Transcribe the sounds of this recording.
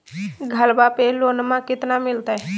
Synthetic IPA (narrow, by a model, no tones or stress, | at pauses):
ɡʱəlbapeloːnmãkɪt̪namɪlt̪aɦɛ